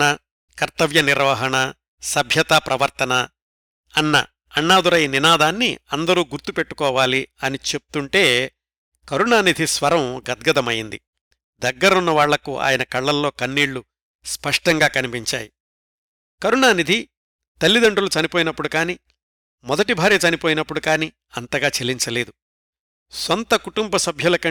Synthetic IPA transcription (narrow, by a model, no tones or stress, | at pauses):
ɐ | kɐɾt̪ɐʋjɐniɾʋɐɦɐɳɐ | sɐbʱjɐt̪aːpɾɐʋɐɾt̪ɐnɐ | ɐnːɐ̰ː | ɳːaːd̪uɾɐjninaːd̪aːnːḭɐnd̪ɐɾuːɡuɾt̪upe̞ʈːu̥kɔːʋaːliɐnit͡ʃep̚u̥t̪uɳʈe̞ː | kɐɾuɳaːnid̪ʱisʋɐɾɐmɡɐd̪ɡɐd̪ɐmɐjind̪ḭ | d̪ɐɡːɐɾɐunːɐʋaːɭːɐkuʔa̰ːjɐnɐkɐɭːɐlːo̞ːkɐnːiːɽːu | spɐʂʈɐŋɡaːkɐnipiɲt͡ʃa̰ːji | kɐɾuɳaːnid̪ʱi | t̪ɐlːid̪ɐɳɖulut͡ʃɐnipo̞ːjinɐpːuɽukaːni | mɔd̪ɐʈibʱaːɾijɐt͡ʃɐnipo̞ːjinɐpːuɽukaːni | ɐnt̪ɐɡaːt͡ʃeliɲt͡ʃɐle̞ːd̪u | sɔnt̪ɐkuʈumbɐsɐbʱjɐlɐkɐ